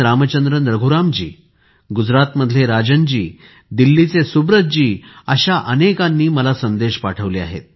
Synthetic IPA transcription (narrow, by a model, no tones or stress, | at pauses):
ɾamət͡ɕənd̪ɾənɾəɡʱuɾamd͡ʑiː | ɡud͡zɾat̪məd̪ʱljeɾad͡ʑənd͡ʑiː | d̪ilːit͡sesubɾət͡s̚d͡ʑiːəɕaʔənekãnːiːməlasənd̪eɕpaʈʰəʋlia̰ɦḛt̪̚